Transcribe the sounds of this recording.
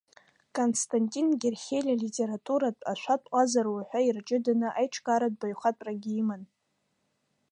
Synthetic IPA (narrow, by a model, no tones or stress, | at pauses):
kʼonstʰʼantʼinɡʲerχʲejlʲalitʲʼeɾatʼuɾatʼaʃʷatʼqʷʼazaɾwaħʷᶣairt͡ʃʼɪdanɨʔajʈ͡ʂʰɡʼaɾad̚bajχʷatʼraɡʲiiman